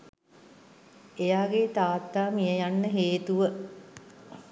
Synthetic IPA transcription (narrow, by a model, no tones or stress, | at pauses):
ejaːɡet̪aːt̪ːaːmijəjanːəɦeːt̪uʋə